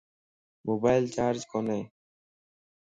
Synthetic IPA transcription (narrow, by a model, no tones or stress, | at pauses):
mobajlt͡ɕaːɾd͡ʑkʰone